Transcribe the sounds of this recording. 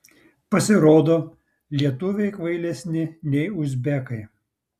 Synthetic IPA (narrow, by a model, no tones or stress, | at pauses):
pɐsʲɪɾoːd̪oː | lʲiɛt̪ʊʋʲɛɪkʋɐɪlʲɛsʲnʲɪnʲɛɪʊzʲbʲɛkɐɪ